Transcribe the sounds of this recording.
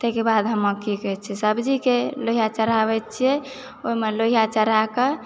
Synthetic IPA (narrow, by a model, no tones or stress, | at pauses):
t̪ɛkebad̪ɦəməkikɛt͡ʃʰɛsəbd͡ʒikeloɦijat͡ʃəɾaβɛtt͡ʃʰiɛ | oimeloijat͡ʃəɾake